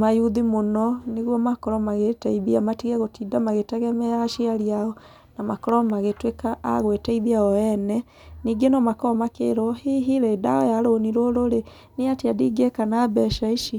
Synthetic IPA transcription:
majuðimonɔneɣwɔmakɔɾɔmaɣetaiðiamatiɣɛɣotidamaɣetɛɣɛmɛaʃiaɾiaɔ | namakɔɾɔmaɣetweka̰ːɣwetaiðiaɔɛnɛ | niːɡenɔmakɔɔmakḛɾwɔhiɦiɾeːda̰ɔjaɾoniɾoɾoɾe | neatiadiɡekanabɛʃaiʃi

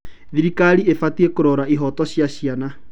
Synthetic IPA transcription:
ðiɾikaɾiefatiekoɾɔɾaiɦɔtɔɕjaɕiana

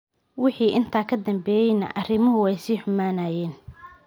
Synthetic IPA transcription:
wɪħiːʔɪnt̪ʰaːkʰɐd̪ɐmbɛːjɛjnɐ̰ʔɐrɪmʊɦʊɛjsiːħʊmaːnaːjɛːn

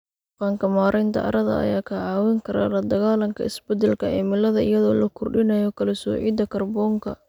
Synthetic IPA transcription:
faːŋkʰɐmaːɾʔɛjnt̪ʰɐ̰ʔɐ̰ɾɐðɐ̰ɐ̰jaːkʰɐʕaːwɛŋkʰɐɾa̰ːlɐd̪ɐɣaːlɐŋkʰɐ̰ɪsbɛd̪ɛlkʰɐɛːmɪlɐðɐɪjɐðɔːlɐkʰʊrɖɪnɐjɔkʰɐlɛsɔ̰ːʕḭːd̪ɐkʰɐrbɔːŋkʰɐ

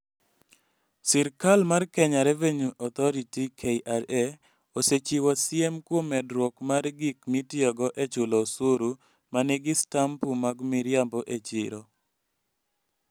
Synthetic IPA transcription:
sɪɾkalmarkɛɲaɾɛveɲuʔɔt̪ɔɾitikʰeiʔaɾe | oset͡ʃiwasjɛmkwomɛdɾwɔkmarɡikmitjɔɡɔʔet͡ʃʊlɔsoɾu | maneɡɪstampumaɡmiɾɪjambɔʔet͡ʃɪɾo

